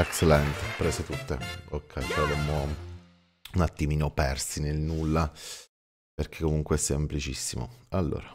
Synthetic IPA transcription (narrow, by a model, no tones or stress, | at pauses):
ekt͡ʃelɛnt̪epɾɛːset̪ut̪ːḛokʰːɛjpavemːo | unat̪ːimiːnopɛrsinelnulːa | perk̟ekːomuŋkweɛsːemplit͡ʃisːimo̰alːo̰ːɾa